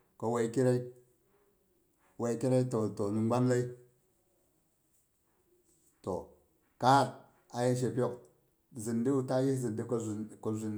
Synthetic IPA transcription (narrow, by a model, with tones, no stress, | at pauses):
ko˨we˨i˦ki˦ɾe˦i˦ | we˨i˦ki˦ɾa˦i˦to˨to˨ni˨ɡ͡ba˦nla˦i˦ | to˨ | ka˦˨t | a˨ji˦nʃ̬e˨po˦˨k | zi˨ndi˦u˦ta˦ji˦zi˨ndi˦ko˨ko˨zu˨n